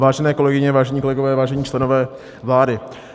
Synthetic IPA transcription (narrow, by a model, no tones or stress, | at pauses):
vaːʒɛnɛːkolɛɡɪɲɛvaːʒɛɲiːko̞lɛɡovɛːvaːʒɛɲiːt͡ʃlɛnovɛː | vlaːdɪ